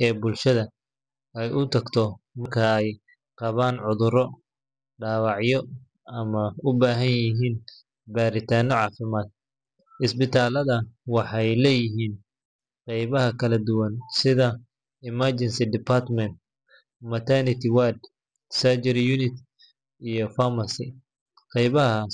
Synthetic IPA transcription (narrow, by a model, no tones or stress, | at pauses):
ɛːbʊlʃɐðɐ | ɛjʔʊt̪ʰɐɡt̪ʰɔmɐrkʰɐɛj | qɑβaːnʕʊðʊɾɔ | ɖaːwɑʕjɔ | ɐmɐʊbaːɦɐnjɪɦiːn | baːɾɪt̪ʰaːnɔʕɑːfɪmaːd̪̚ | ʔɪsbɪt̪ʰaːlɐðɐwɑħɑjlɛːjɪɦiːn | qɛjβɐɦɐkʰɐlɐd̪ʊwɐnsɪðɐ | ɪmɐt͡ʃɛnsɪd̪ɪpʰart̪mɛnt̪̚ | mɐt̪ʰanɪt̪ʰɪwad̪ | sad͡ʒɐɾjunɪt̪ | ijɔfamɐsɪ | qɛjβɐɦɐ